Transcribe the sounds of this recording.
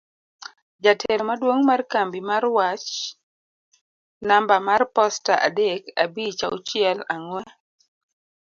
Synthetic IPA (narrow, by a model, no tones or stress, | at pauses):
d͡ʒatʰɛɾmadwoŋmarkambimarwat͡ʃ | nambamarpɔstaʔa̰deka̰bit͡ʃaʊt͡ʃɪɛlaŋwɛ